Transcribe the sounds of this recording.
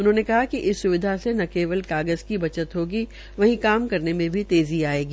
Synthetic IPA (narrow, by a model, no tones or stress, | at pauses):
ʊnɦõːnekɐɦakiʔɪsːʊʋɪd̪ʱasenɐkeːʋəlkaːɡəzkibɐt͡ʃət̪ɦoːɡi | ʋɐɦĩkaːmkɐɾnemẽbʱit̪eːziaːeːɡi